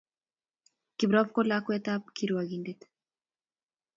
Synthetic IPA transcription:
kiβɾopkolakoet̪akiɾuaeɣind̪it̪

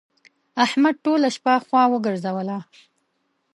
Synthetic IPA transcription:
ahmad̪̚ʈolaʃpaxwɑwəɡəɾzawəla

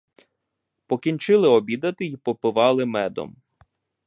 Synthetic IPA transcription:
pɔkʲint͡ʃɪlˠɪɔbʲid̪ɐt̪ɪipɔpɪʋɑlˠɪmɛd̪ɔ̰m

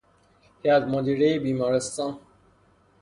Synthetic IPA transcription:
heæd̪mod̪iɾejebiːmɒːɾest̪ɑːn

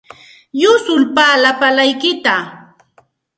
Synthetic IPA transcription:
jʊsʊlpaːlapalajkɪt̪a

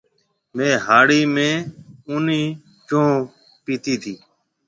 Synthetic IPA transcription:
mẽːɦaːɽiːmẽːʊːniː | t͡ʃõː | piːt̪iːt̪ʰiː

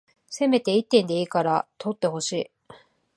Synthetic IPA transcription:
se̞me̞t̪e̞it̪ːẽ̞nd̪e̞iːkaɾat̪ʰo̞t̪ːe̞ho̞ɕiː

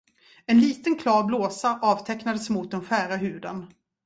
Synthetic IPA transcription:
ɛnliːt̪ənkʰlɑːɾbloːsaʔɑːvt̪ʰɛknad̪əsmʊt̪̚d̪ɛnɧæːɾaɦʉ̟ːd̪ə̰n

